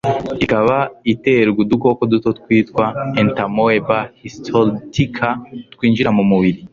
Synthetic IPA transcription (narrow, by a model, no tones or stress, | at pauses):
ikaβaite̞ɾɡuduko̞kodutotkwiːtkwaentamoebahistʰoltikʰatkwiːnʒiɾamumuβiɾi